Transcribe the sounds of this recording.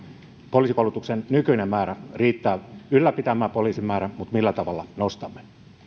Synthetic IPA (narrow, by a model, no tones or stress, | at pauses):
poliːsikoulut̪uksennykyinemmæːɾæriːt̪ːæːylːæpit̪æmæːpoliːsimæːɾæmut̪milːæt̪ɑʋɑlːɑnost̪ɑmːe